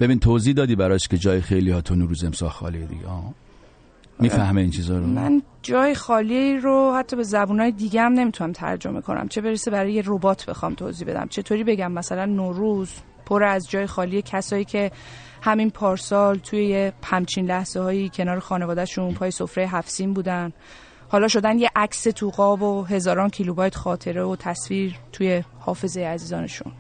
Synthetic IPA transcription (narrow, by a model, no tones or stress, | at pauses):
b̥ebinit̪ʰoːziːd̪ɒːd̪iːbæɾɒʃked͡ʒɒːjexejlihɒt̪ʰonoɾuːzemsɒ̰lxɒ̰ːlied̪ḭɡḛɒː | miːfæhmeint͡ʃʰizɒːɾomæ̰n | d͡ʒɒːjexɒːliɾohæt̪ʰːɒːbe̞zæbuːnɒːjed̪iɡehæmne̞mit̪ʰunæmt̪ʰæ̰ɾd͡ʒo̞̰mekʰo̞nʔæ̰mt͡ʃʰe̞be̞ɾesebæɾɒːjerobɒːt̪ʰb̥e̞̰xɒ̰ːmt̪ʰo̰ːziːbe̞d̪æ̰mt͡ʃʰe̞t̪ʰoːɾiːbe̞ɟæmːæsælænːoɾuz | pʰoɾæzd͡ʒɒːje̞xɒːliːecʰæsɒːiːcʰe̞ | hæminpʰɒːɾsɒːlt̪ʰuje̞jehæmt͡ʃʰiːnlæhz̥ehɒːjiːcʰe̞nɒːɾexɒːne̞vɒːd̪æʃunpʰɒːjesofɾe̞jeɦæfsiːmbuːd̪æn | hɒːlɒːʃo̞d̪ænje̞ʔækset̪ʰuɣɒːboɦe̞zɒːɾɒːncʰilubɒːjt̪ʰxɒːt̪ʰe̞ɾevot̪ʰæsviːɾt̪ʰuje̞hɒːfe̞zejeæziːzɒːneʃṵn